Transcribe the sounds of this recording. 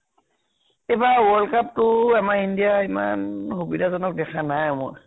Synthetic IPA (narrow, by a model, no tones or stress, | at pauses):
ebawɔlkap̚tʊɛmaɹindijaima̰nxubidazɔnɔk̚dɛkʰanajmʊ̰ɹ